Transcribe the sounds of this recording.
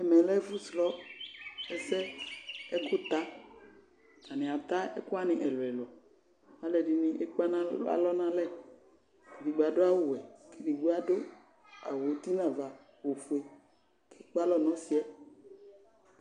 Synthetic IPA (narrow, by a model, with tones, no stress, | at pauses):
ɛ˨mɛ̃˨lɛ˦fu˦slɔ˦ | ɛ˦sɛ˦e˦kʊ˦t̪a˦ | ta˨nɪ̃˨a˨t̪a˦ɛ̰˦kʊ˦a˦nɪ̃˨ʔɛ˨lwɛ˨lɔ˨ | a˨˦lɛ˨di˨nĩ˦ʔe˦k͡pa˦nã˦a̰˦lɔ˦nã˦lɛ˦ | ke˨di˨ɡ͡ba˨do˦a˦wo˦wɛ˨kʰe˦di˨ɡ͡bo˦a˦do˦ | a̰˨wo˨t̪i˦nã˨va˨ | wo˨fu˨e˨ | kʰe˦k͡pa˦lɔ˦nɔ̃˨˦si˦ɛ˦